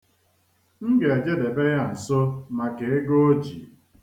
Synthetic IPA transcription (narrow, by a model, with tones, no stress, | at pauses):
ŋ̩˦ɡe˨a˨d͡ʒe˦de˨be˦ɣa˦n̩˨sʊ˦ma˨ke˨ɪ˦ɡo˦o˦d͡ʒi˨